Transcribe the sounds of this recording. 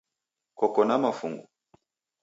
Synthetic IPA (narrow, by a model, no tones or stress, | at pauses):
kɔkɔnamafṵŋɡṵ